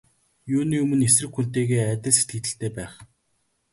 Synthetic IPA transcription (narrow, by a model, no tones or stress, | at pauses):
juːniːɵmɵ̆nesrɘ̆kxun̥t̪eːɣeːæt̪ʲɪ̆ɮse̥t̪̚ɡɘ̆t̪ɘ̆ɬt̪eːpæːχ